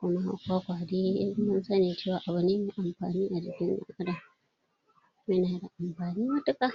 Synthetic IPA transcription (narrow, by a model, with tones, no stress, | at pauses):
kʷʊ˦ma˦kʷa˦kʷaː˨di˦mʊ˦nsɐ˦niː˨t͡ʃeː˦˨waː˨ʔa˨βʊ˨neː˦me˨ʔa˨mɸa̰ː˨niː˦ʔa˨d͡ʒɪ˨kʲɪ˦nja̰˦ka˦da˨ | mɪ˦naː˨da˨ʔa˨mɸaː˨niː˦mɐ˦tʊ˦ka˦˨